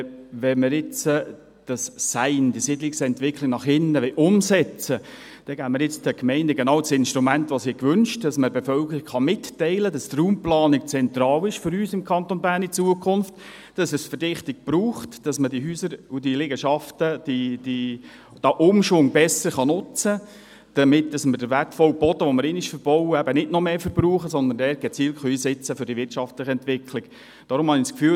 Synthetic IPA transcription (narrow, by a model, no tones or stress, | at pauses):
ʋɛməɾɪt͡sə | d̥ɑssæɪndisɪdlɪksɛntʋɪkʰlɪknɑχhɪndəʋɛʔʊmsɛt͡sə | d̥ɛɡ̥æːməɾjɪt͡sd̥ɛkmɛɪndəɡenɑːwsɪnʃtɾumæntʋɑsiːkʋʏnʃtdɑsməbefœlkəɾiɡχɑmɪtːɛɪləd̥ɑst̪ruːmplɑːnik̚t͡sɛnt̪ɾɑːlɪʃfʏɾyːsɪmkʰɑnt̪onbæːɾnit͡suəkʰʊnft | d̥ɑsɛsfərd̥ɪχtɪk̚b̥ɾuːχtd̥ɑsmədiɦyːsəɾudilɪɡəʃɑftəd̥id̥i | d̥ɑʔʊmʃʋʊŋbɛsəɾχɑnʊt͡sə | d̥əmɪt̚d̥ɑsmədəvætfɔlbɔt̪əʋɔməɾɪnɪʃfəɾb̥ɔwəæbənɪdnɔmeːfəɾbɾuːχəsɔnd̪əndɛːɾɡ̥ɛt͡siːlkχœiːsɛt͡səfʏɾdiʋɪrtt͡ʃɑftlɪχəɛntʋɪkʰlɪk | d̥ɑːɾʊmhɑniskfyː